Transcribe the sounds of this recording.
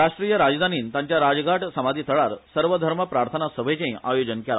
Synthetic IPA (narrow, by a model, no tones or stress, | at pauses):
ɾaʂʈɾijəɾad͡zd̪ʱaniːnt̪ãɲt͡ɕjaɾad͡zɡʱaʈʰsəmad̪ʱiːt̪ʰəɭaɾsəɾʋəd̪ʱəɾməpɾaɾt̪ʰənasəbʱet͡ɕẽʔajod͡ʑənkela̰